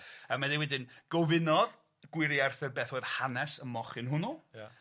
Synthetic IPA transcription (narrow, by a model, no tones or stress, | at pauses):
əmaðiwɛdɪnɡ̥ɔvɪnɔð | ɡ̥wɪɾiarθɛrbeːθoːjð̥hanɛsəmɔχɪnhʊnʊja